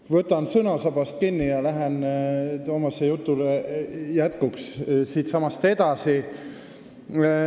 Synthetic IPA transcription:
vɤt̪ːˑɑnsɤnɑsɑb̥ɑst̪̚kinʲːijɑlæɦent̪omɑsejut̪ːˑulejæt̪kukssiːt̪sɑmɑst̪e̞d̪̥ɑsi

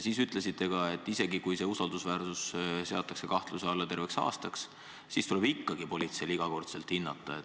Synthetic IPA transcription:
siːsyt̪ˑle̞sit̪ːˑe̞kɑe̞t̪ːˑise̞ɡikujse̞ːusɑld̪usvæːrsusse̞ɑt̪ːˑɑkse̞kɑht̪luse̞ɑlːɑt̪e̞rve̞ksɑ̰ːst̪ɑks | sist̪ule̞bikːɑɡipo̞lʲit̪se̞liɡ̥ɑko̞rt̪se̞lt̪hinːɑt̪ːˑɑet̪ː

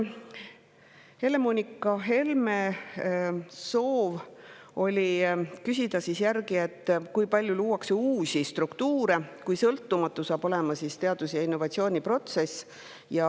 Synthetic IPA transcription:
he̞le̞monʲikːˑɑɦe̞lme | so̞ːv | o̞lʲikysʲid̪̥ɑsisjærɡie̞t̪ːˑkujpɑlʲjuluːwɑkseuːsʲist̪rukt̪uːɾe̞kujsɤlt̪ːumɑt̪ːˑusɑːb̥o̞le̞mɑsist̪e̞ɑd̪̥usjɑinːo̞vɑt̪sio̞ːnʲipro̞t̪se̞s | jɑ

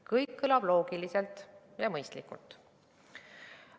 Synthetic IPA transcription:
kɤjkːɯlɑb̥lo̞ːɡ̥ilise̞lt̪ˑ | jɑmɤjst̪likːˑṵlt̪ˑ

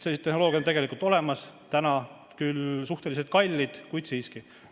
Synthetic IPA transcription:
seit̪ːehnoloːɡʲjɑont̪e̞ɡelikːˑult̪ˑo̞le̞mɑst̪ænɑ | kylsuht̪e̞lis̬et̪̚kɑlʲːid̪̥kujd̪̥siːski

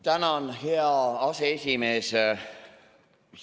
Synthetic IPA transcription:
t̪ænɑnheɑɑseesʲimeːs

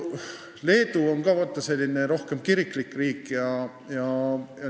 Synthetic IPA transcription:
le̞ːd̪uo̞nkɑːvɑt̪ːˑɑse̞lʲːineɾo̞hkemkiɾiklikːˑriːkːjɑ | jɑjɑ

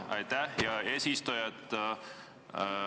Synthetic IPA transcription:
ɑ̰jt̪æhjɑe̞ːsist̪ujɑt̪

